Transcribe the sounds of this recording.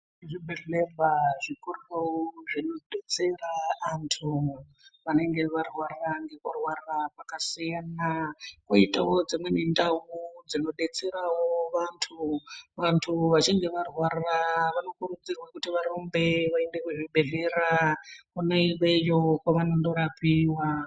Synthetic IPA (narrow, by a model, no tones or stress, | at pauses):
ʐibʱeɮebaʐikuroʐinoɗet͡seraːntʰu | ʋane̞ŋɡe̞ʋarwaraŋɡe̞kurwarrapakasijanakoitawo̞d͡zimwe̞nendaud͡zino̞ɗe̞t͡se̞ɾawoʋantʰuʋantʰuʋat͡ʃiŋɡe̞ʋarwaraʋano̞kurud͡zirwakutiʋaɾombe̞ʋaendekuʐiɓe̞ɮe̞rakunaiwe̞jokwaʋanondo̞ɾapiwa